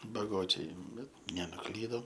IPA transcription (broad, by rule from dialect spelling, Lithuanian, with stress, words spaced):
bɐˈɡoːt͡ʃʲɛɪ ˈbʲɛt nʲɛnʊˈklʲiːdoːm